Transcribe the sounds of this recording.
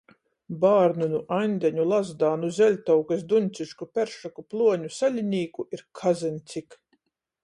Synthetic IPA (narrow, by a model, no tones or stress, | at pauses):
baːɾnunuʔajnʲd̪ʲɛɲulˠazd̪aːnuzʲɛlʲt̪awkasd̪unʲt̪sʲiʃkupʲɛɾʃakuplˠuɔɲusalʲinʲiːkuʔiɾkʰazɨnʲt̪sʲik